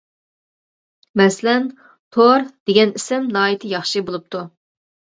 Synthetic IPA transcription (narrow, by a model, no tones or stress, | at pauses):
mɛslɛn | t̪ʰoɾd̪̥eɡʲɛnisɪmnɑːjit̪ʰɨjɑχʃɨbolˠup̚t̪ʰu